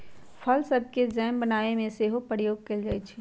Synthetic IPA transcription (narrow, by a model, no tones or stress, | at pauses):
pʰɐlsɐd̪̚ked͡ʒɛːmbɐnaːemẽseɦopɾjoːɡ̚kɐld͡ʒaːet͡ʃʰi